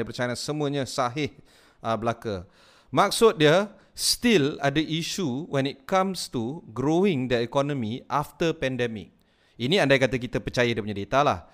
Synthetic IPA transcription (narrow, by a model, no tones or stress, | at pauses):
dəpərt͡ʃajanãnsəmuəɲasaɦɪh | əbəlakə | mak̚sʊt̪̚diə | st̪ila̰dəʔiʃuwʔɛ̃nit̚kãmst̪uɡɾoĩŋdəikɔnɔ̃miʔaft̪əpɛndɛmɪ̰k̚ | iniandajkat̪ək̬it̪əpət͡ʃajadəpuɲadet̪alah